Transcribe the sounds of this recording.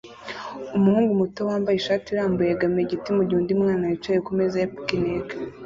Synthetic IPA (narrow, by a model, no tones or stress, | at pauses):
umuhuːŋɡumutowaːmbajiʃaːtiɾaːmbujeɡameɟitimuɟihuːndimŋaːnajit͡ʃajikumezajapu̥kineɡa